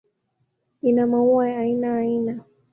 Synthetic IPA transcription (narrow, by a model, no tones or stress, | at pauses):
inamauajːinaːina